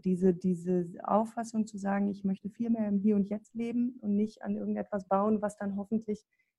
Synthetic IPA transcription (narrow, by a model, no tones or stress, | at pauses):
d̥iːzədiːzəʔa̰ʊfasʊŋt͡suzaːɡŋ̩ɪçmœçtəfiːlmeːɐɪmɦiːɐʊntjɛt͡stleːbm̩ʊntnɪçta̰nʔɪɐɡŋ̩tʔɛtv̥asb̥aʊənvasd̥anɦɔfn̩tʰlɪç